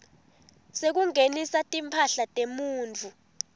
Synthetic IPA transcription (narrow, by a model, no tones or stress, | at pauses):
sek̬uŋenisatʼimpʰaɬatʼemuːnt͡fʰu